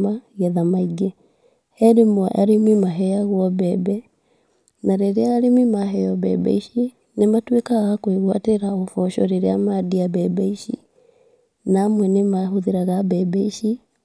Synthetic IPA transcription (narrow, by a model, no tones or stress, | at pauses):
maɣaðamaiɡe | hɛɾemɔʔaɾemimaɦɛjaɣwɔβɛbɛ | naɾeɾeaːɾemimaɦɛjɔβɛ̰bɛ̰iʃi | nematwekaɣakwiɣwateɾaɔfɔʃɔɾeɾeamadiaβɛbɛiʃḭ | namwɛnemahoðiɾaɣabɛbɛiʃi